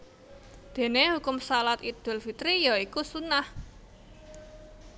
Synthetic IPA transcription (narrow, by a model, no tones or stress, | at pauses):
d̪̥e̤nehukʊmsalat̪id̪̥ʊ̤lfit̪ɾijɔikusunah